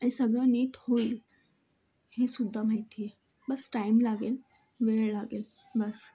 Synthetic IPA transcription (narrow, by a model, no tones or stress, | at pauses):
ə̃ĩsəɡʱə̃niːʈhoil | hẽːsʊd̪ʱːəm̤ait̪ʰie | bɐsʈaːɪmlaːɡel | ʋeːɭlaɡeːl | bɐs